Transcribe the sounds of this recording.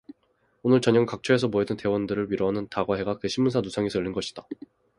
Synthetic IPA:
onɯɭt͡ɕʌɲʌŋkak̚t͡ɕʰʌe̞s̬ʰʌmoɦe̞dɯnte̞wʌndɯɾɯɭɥiɾoɦanɯntaɡwaɦe̞ɡakɯɕʰimːunsʰanusʰaŋisʰʌɯʎːinɡʌɕʰi̥d̥a

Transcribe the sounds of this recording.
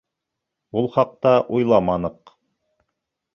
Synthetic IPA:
ulˠχɑq̚t̪ɑʔujlˠɑmɑnɤq

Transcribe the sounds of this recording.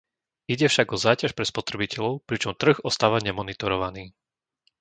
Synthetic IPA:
iɟɛfʃaɡɔzaːcaʃpɾɛspɔt̪ɾɛbicɛʎɔʊpɾit͡ʃɔmt̪r̩ɣɔst̪aːʋaɲɛmɔnit̪ɔɾɔʋaniː

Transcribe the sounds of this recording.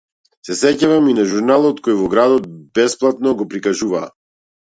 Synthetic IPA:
sɛsɛcavaminaʒuɾnalˠɔt̪kɔjvɔɡɾad̪ɔt̪̚bɛsplˠat̪̚nɔɡɔpɾikaʒuva̰ː

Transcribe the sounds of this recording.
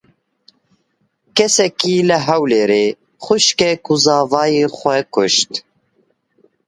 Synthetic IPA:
kɛsɛkiːləɦɛwleːɾeː | xʊʃkɛkuzɑːvɑːjeːxʷɛkʊʃt̪

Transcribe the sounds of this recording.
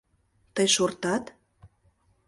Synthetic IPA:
t̪əjʃort̪ɑt̪

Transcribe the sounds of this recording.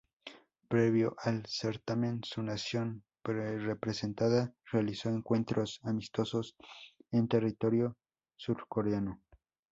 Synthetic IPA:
pɾeβjoʔalseɾt̪amẽnsunasjo̞n | prepɾesent̪aðarealisoeŋkwe̞nt̪ɾʔosamist̪o̞sosent̪erit̪o̞ɾjo | suɾkoɾeano

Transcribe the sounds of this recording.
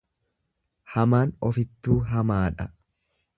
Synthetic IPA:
hɐmaːnɔfɪt̪ːuːɦɐmaːᶑɐ

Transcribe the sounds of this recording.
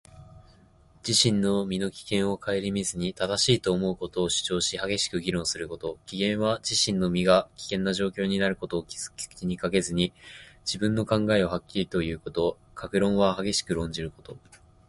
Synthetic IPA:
d͡ʑ̥iɕĩnːo̞mʲino̞kʲi̥kẽ̞ɰ̃o̞kʰae̞ɾʲimʲizɨɲ̟it̪ad̪aɕiːt̪o̞ːmo̞ɯ̟ko̞t̪o̞ːɕɨ̥t͡ɕo̞ːɕihaɡe̞ɕi̥kɯ̟ɡʲiɾõ̞ɰ̃sɨɾɯ̟ko̞t̪o̞kʲiɡẽ̞ɰ̃βad͡ʑiɕĩnːo̞mʲiɡakʲi̥kẽ̞nːaʑo̞ːkʲo̞ːɲ̟inaɾɯ̟ko̞t̪o̞ːkʲiz̥ɨ̥kʲi̥kɯ̥t͡ɕiɲ̟ikaɡe̞zɨɲ̟id͡ʑibɯ̟̃nːo̞kãŋɡaeohakʲːiɾʲit̪o̞jɯ̟ːko̞t̪o̞kʰakɯ̟ɾõ̞ɰ̃βahaɡe̞ɕi̥kɯ̟ɾõ̞ɲ̟d͡ʑiɾɯ̟ko̞t̪o̞

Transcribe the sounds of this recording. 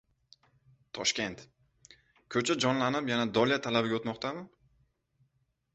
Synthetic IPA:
t̪ʰɒʃkʲe̞nt̪ | kʲʰɵt͡ʃʰad͡ʒɒnlanɪpjanad̪ɒljat̪ʰalabɪɡʲaot̪mɒqt̪ʰamɪ

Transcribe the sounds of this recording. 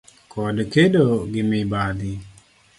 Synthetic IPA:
kʰɔdkedoɡɪmɪbad̪ɪ

